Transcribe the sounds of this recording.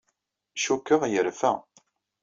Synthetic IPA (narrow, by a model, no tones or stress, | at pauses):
ʃukːəʁjəɾfæ̰